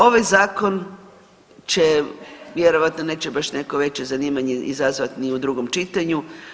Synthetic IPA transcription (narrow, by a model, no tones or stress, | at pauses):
o̞ʋajzaːko̞n | t͡ɕe̞ʋjeɾo̞ʋat̪no̞ne̞t͡ɕe̞baʃne̞koʋe̞t͡ɕe̞zaniːmaɲeʔizazʋat̪niud̪ɾuɡo̞mt͡ʃit̪aɲu